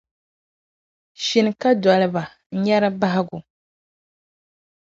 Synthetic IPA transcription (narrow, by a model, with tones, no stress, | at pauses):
ʃi˨nɨ˨ka˦dɔ˨lɨ˦ba˨˦ | ɲɛ˦ɾa˦ba˦ɦa˦ɡʊ˨